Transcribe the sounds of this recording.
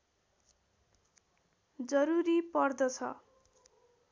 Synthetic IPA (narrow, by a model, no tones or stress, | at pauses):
d͡zʌɾuɾipʌrd̪ʌt͡sʰʌ̰